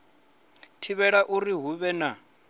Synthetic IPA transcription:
tʰiβɛɺaʔuriɦuβɛna

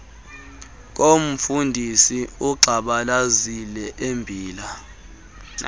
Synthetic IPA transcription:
k̬om̩fundʱisiuǃʱaɓalazilɛʔembʱiːla

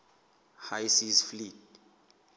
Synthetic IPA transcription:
hajsizflit̚

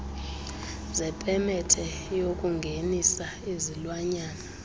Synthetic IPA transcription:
zɛpʼɛmɛtʰɛ | jokʼuŋɡʱenisa | ezilwaɲaːna

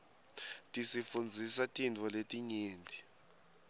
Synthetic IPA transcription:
tʼisifund͡zʱisatʼindʱɔletʼiɲeːndʱi

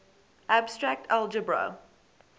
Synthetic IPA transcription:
ʔæbstɹak̚tʰɛlˠd͡ʒəbɹo̰ʊ

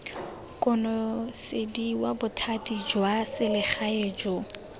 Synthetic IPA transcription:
kʼʊnɔsɪdiwabʊtʰatʼid͡ʒwasɪlɪχʰaeːd͡ʒo

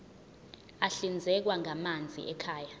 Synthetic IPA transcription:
aɬind͡zʱɛk̬waŋamand͡zʱḭʔɛkʰaːja

